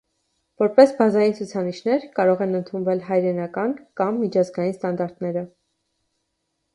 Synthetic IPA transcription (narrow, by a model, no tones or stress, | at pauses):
vɔɾpɛsbɑzɑjint͡sʰut͡sʰɑniʃnɛɾkɑɾɔʁɛnənt̪ʰunvɛlɦɑjɾɛnɑkɑnkɑmːit͡ʃʰɑzɡɑjinst̪ɑnd̪ɑɾt̪nɛɾə